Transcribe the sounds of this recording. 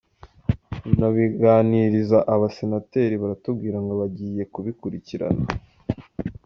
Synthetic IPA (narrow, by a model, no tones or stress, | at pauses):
naβiɡaːniɾizaʔaβase̞nate̞ɾiβaɾatubɡiːɾaŋɡoβaɟiːje̞kuβikuɾiciɾa̰na